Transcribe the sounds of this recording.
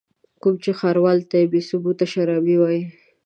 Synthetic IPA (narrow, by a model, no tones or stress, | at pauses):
kumt͡ʃexaɾwɑlt̪ajbesʊbut̪aʃaɾɑbiwɑji